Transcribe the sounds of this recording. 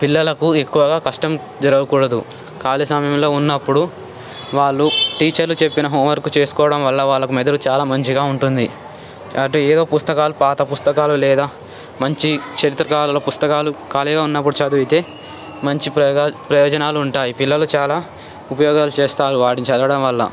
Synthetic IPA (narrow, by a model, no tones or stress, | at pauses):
pilːɐlɐkuekːuʋɐɡaːkɐʂʈɐm | d͡ʒɐɾɐɡɐkuːɽɐd̪ṵ | kaːlisɐmɐjɐmlo̞ːunːɐpːuɽu | ʋaːɭːuʈiːt͡ʃɐɾlut͡ʃe̞pːinɐɦoːmʋɐɾkut͡ʃe̞ːsu̥kɔːɐɽɐmʋɐɭːɐʋaːɭːɐkumɛd̪ɐlut͡ʃaːlaːmɐɲt͡ʃiɡaːuɳʈund̪i | ɐʈːueːd̪o̞ːpust̪ɐkaːlupaːt̪ɐpust̪ɐkaːlulɛːd̪aː | mɐɲt͡ʃikt͡ʃɐɾit̪ːɾɐkaːlɐloːpust̪ɐkaːlukaːliɡaːunːɐpːuɽut͡ʃaːd̪uit̪e̞ː | mɐɲt͡ʃiɐpɾɐjɔːd͡ʒɐnaːluuɳʈaːjipilːɐlut͡ʃaːlaː | upɐjɔːɡaːlut͡ʃeːst̪aːɾuʋaːɽiɲt͡ʃɐːdɐɽɐmʋɐlːɐ̰